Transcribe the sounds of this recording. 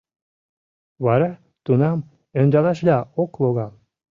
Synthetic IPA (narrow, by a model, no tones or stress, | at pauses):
βɑɾɑ | t̪unɑm | ønʲd̪ɑlɑʃlʲɑokloɣɑl